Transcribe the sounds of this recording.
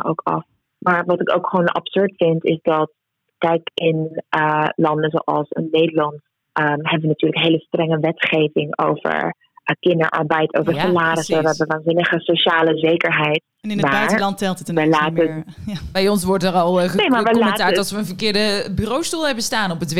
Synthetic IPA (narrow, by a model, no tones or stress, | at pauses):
ʔo̰wkɑ̰f | maːɹʋɑtɪkowkχʋoːnɑ̰psøɹtfɪntɪsdɑt̚ | kɛjkɪnʔəlɑndəzoːʔɑ̰lˠsə̰nːejdəlɑnt | ʔəmɦɛbəʋənatyːɹləkɦejləstrɛŋəʋɛtχejvɪŋo̰wvə̰ɹ | kɪndə̰ɹʔɑ̰ɹbɛjtʰo̰wvəɹsalaːɾɪsəʋəɦɛbəʋaːnzɪnəχəsoʃaːləzejkəɹɦɛjt̚ | nɪnmaːaɹlɑntːɛlˠtətəlaːtəɹbɛjɔns̬ʋɔɹtəɾɑlˠχənejmaɹʋəlmətaːɹtɑlˠsʋəənvəɹkɪːɹdəbyːrowstulˠɦɛbənstaːnɔpətʋ